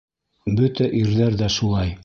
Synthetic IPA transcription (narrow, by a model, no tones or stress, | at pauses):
bɵt̪æʔiɾðæɾðæʃulˠɑj